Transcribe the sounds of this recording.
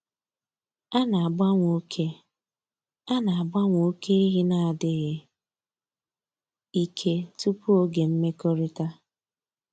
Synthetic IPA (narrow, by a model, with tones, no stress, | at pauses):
a˦na˨a˨ba˦ŋʷo˦kʰe˦ | a˦na˨a˨ba˦ŋʷ˨o˨˦kʰe˦i˦ɦi˦na˨a˨dɪ˦ɣɪ˦ | i˦kʰe˦tu˦pu˦o˦ɡe˨m̩˦me˦kɔ˦ɾɪ˦ta˦